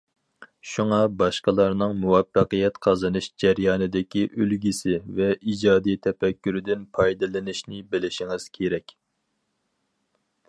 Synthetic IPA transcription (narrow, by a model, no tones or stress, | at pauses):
ʃuŋɑbɑʃqəlˠɑɾnɨŋmuwɛfːəqəjɛt̪qʰɑzɨnɨʃd͡ʒɛɾjɑːnɨd̪ɪkʲiʔølɡʲisɪvɛʔid͡ʒɑːd̪ijt̪ʰɛpɛkʲːyɾɪd̪ɪnpʰɑjd̪ɨlˠɪnɪʃnɪbɪlɪʃiŋɨz̥kʲʰeɾɛkʲ